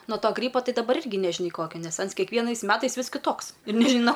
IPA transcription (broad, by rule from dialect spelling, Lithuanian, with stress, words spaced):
noː ˈtoː ɡrʲiːpoː ˈtɐɪ dɐˈbɐr ˈɪrʲɡʲɪ nʲɛʒʲɪˈnɐɪ ˈkoːkʲoː ˈnʲɛs ˈɐns kʲɛkˈʋʲiɛnɐɪs ˈmʲæːtɐɪs ˈʋʲɪs kʲɪˈtoːks ɪr nʲɛʒʲɪˈnɐʊ